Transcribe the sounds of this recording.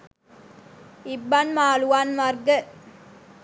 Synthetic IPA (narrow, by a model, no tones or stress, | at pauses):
ibːɐnmaːluʋanmɐrɡə